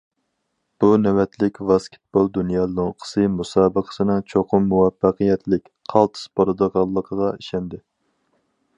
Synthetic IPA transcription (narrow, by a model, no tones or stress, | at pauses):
b̥unɛwɛt̪lɪkʲvɑskʲʰe̥t̪̚b̥olˠd̪unjɑːloŋqʰə̥sɨmusɑːbəqʰə̥sɨnɨŋt͡ʃʰoqʰʊmːuwɛfːæqɨjɛt̪lɪkʲqʰɑlˠt̪ʰɨ̥spʰoɾɨd̪okʰɑlˠːəqʰəʁɑiʃɛnd̪ɪ